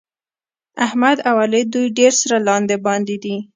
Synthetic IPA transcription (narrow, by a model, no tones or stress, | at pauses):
ahmad̪awaled̪ujɖeɾsaɾalɑnd̪ebɑnd̪id̪i